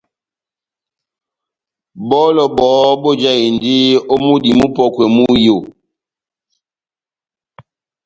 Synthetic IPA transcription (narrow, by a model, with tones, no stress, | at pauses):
bɔ˦lɔ˨bɔː˨˦bo˦˨d͡ʒɛ˦˨i˨ndi˦o˦mu˦di˨mu˦pɔ˨kwɛ˨mu˦jo˨